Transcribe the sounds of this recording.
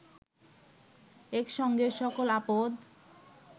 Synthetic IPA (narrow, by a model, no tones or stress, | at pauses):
ekʃɔŋɡeʃɔkolapod̪